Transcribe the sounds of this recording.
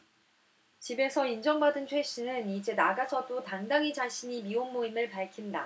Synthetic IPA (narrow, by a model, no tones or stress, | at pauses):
t͡ɕibe̞sʰʌind͡ʑʌŋbadɯnt͡ɕʰwe̞ɕ͈inɯnid͡ʑe̞naɡasʰʌdotaŋdaŋid͡ʑaɕʰiɲimionmoimɯɭpaɭkʰinda